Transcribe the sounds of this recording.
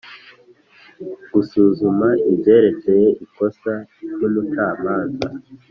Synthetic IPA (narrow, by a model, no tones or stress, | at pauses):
ɡ̥usuːzumaibje̞ːɾe̞t͡se̞je̞ʔiko̞saɾjomutaːmaːnza̰